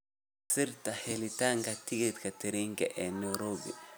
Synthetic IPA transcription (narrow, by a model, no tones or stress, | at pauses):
siɾtahelitaŋɡatiɡit̪katiɾiŋɡɛ̰ʔɛnoɾobḭ